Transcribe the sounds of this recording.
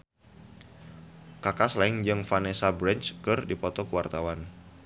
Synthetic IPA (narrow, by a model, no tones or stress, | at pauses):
kakaslaɪŋd͡ʒɨŋfanesabɾɛnt͡ʃkɨrdipɔt̪ɔkəwart̪awan